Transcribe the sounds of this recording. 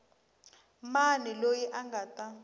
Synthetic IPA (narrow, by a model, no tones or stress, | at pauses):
manɛlojiʔaŋɡatʼa